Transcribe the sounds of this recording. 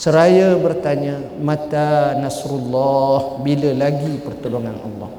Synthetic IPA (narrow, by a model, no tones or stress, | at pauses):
səɾajabərt̪aɲəmãt̪anasɾulːɔhbiləlaɡipərt̪uluŋanɑ̰lˤːɔ̰h